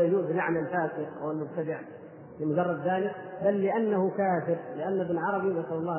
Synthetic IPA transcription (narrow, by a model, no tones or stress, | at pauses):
jd͡ʒuːzbɪlaʕnalfaːsɪqʔa̰wɪlmʊb̚t̪ad̪ɪʕ | fɪmʊd͡ʒɑrˤːɑd̪ːaːnɪbalːɪʔanːahʊkaːfɪɾlɪʔanːɪbnʕɑɾˤɑbinasalɑlˤːɑː